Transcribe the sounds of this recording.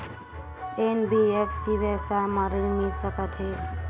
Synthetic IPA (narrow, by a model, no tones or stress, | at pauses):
enbiefsiʋesajmãɾilmilsəkət̪ʰɦe